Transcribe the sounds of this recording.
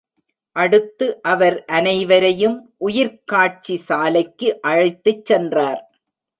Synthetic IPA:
ʔɐɽɯt̪ːɯʔɐʋɐɾʔɐnɐɪʋɐɾɐjɯmʔʊjɪɾkaːʈ̚t͡ʃisaːlɐɪkːɯʔɐɻɐɪt̪ːɯt͡ʃːɛndraːɾ

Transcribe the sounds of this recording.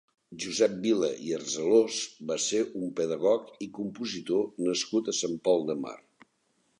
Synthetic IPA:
ʒuzɛp̚bilə̰iərzəlozbaseɾʔumpəðəɣɔkikumpuzit̪onəskut̪əsampɔlˠd̪əma̰r

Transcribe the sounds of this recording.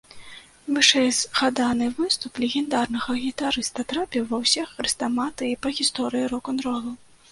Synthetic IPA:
vɨʂɛjzɣad̪anɨvɨst̪uplʲɛɣʲɛnd̪arnɐɣɐɣʲit̪aɾɨst̪ɐt̪ɾapʲɛvɐwsʲixɐɾɨst̪amat̪ɨipɐɣʲist̪ɔɾɨjiɾɔkɔnɾɔlˠɐw

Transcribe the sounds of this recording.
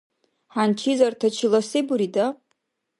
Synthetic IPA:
ħant͡ʃʰizartʰat͡ʃʰilasibuɾida

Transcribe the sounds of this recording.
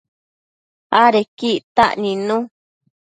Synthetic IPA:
aɾekit̪aʔnĩnũ

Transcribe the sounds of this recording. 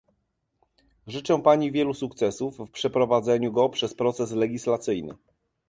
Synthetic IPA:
ʐɘt͡ʂɛ̃paɲivʲjɛlusukt̪sɛsufːpʂɛpɾɔvad̪zɛɲuɡɔpʂɛspɾɔt̪sɛslɛɡʲislat̪sɘjnɘ̰

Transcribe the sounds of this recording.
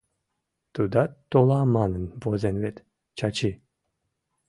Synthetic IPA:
t̪ud̪at̪ːolˠaːmanənvozenvet̪ | t͡ʃʰat͡ʃʰi

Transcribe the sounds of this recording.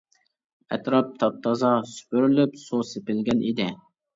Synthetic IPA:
ɛ̰t̪ɾɑp̚t̪ʰɑp̚t̪ʰɑzɑsy̥pyɾylypsosepɪlɡʲɛnʔid̪ɪ

